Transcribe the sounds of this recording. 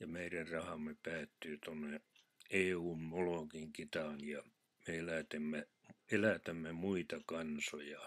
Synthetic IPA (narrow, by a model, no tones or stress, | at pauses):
jɑmeirærrɑhɑmːepæːt̪ːyːt̪onːe | eːuːmmoloˑkiŋkit̪ɑnjɑ | meelæt̪æmːe | melæt̪æmːemuit̪ɑkɑnsojɑ